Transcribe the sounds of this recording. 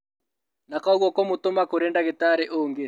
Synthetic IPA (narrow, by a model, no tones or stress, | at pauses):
nakauɣwɔkɔmot̪omakoɾɛndaɣet̪aɾɛʔoːŋɡe